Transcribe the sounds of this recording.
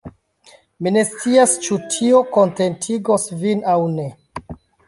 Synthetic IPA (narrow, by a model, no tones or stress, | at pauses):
mine̞st͡siast͡ʃutʰiokonte̞ntʰiɡosvinawne̞